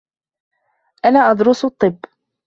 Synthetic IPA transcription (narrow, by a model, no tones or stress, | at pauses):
ʔanaːʔɑd̪ɾʊst̪ˤːɨbː